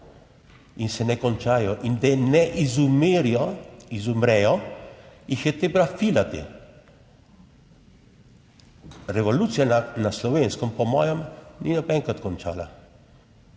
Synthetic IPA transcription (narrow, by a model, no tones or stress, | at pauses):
insɛnɛkɔnt͡ʃaːjɔʔind̪ɛnɛʔizumeɾiɔizumɾɛjɔ | ixjɛt̪ebɾafiːlat̪ḛ | ɾɛʋɔluːt̪sijananaslɔʋenskɔmpɔmɔːjɛmninɔbɛŋkɾat̪kɔnt͡ʃa̰ːla̰